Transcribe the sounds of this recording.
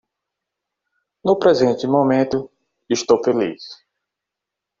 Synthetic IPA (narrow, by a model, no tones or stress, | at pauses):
nʊpɾɛzẽnt̪ɪmomẽt̪ʊ | ist̪owfelḭs